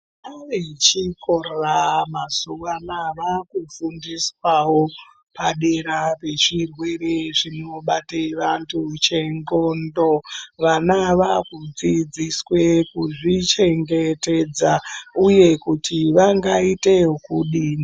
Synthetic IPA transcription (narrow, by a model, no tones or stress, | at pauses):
aʋet͡ʃiko̞roramazuʋanaʋakufundiswawo | paɗe̞ɾape̞ʐirwe̞ɾeʐino̞ɓateʋantʰut͡ʃe̞ŋɡo̞ndo̞ʋanaʋakud͡zid͡ziswekuʐit͡ʃe̞ŋɡe̞te̞d͡zauje̞kutʰiʋaŋɡaite̞kuɗiːni